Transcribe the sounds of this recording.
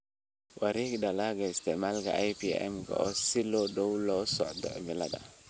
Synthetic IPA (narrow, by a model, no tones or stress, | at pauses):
waɾikdalaɡaist̪emalɡa̰ʔajpiɛ̰mɡa̰osilodowlosɔ̰ʔd̪ɔ̰ʔmilada̰